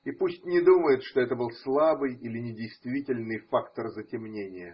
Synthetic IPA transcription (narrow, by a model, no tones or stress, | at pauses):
ipusʲtʲnʲɪd̪uməjɪt̪ʂt̪o̞ɛt̪əbɨlˠslˠabɨjilʲɪnʲɪdʲɪjst̪vʲitʲɪlʲnɨjfakt̪ərzətʲɪmnʲenʲɪjə